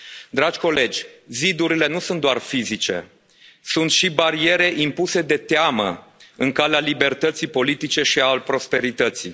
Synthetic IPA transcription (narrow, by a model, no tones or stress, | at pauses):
d̪ɾad͡ʒʲko̞le̞d͡ʒʲzid̪uɾile̞nusunt̪d̪oarfizit͡ʃe̞̰ | sunt̪ʃibaɾie̞ɾe̞ʔimpuse̞d̪e̞t̪eamə̰ɨŋkalealibe̞rt̪ət̪sipo̞lit̪it͡ʃe̞ʃialpɾo̞spe̞ɾit̪ət̪sḭ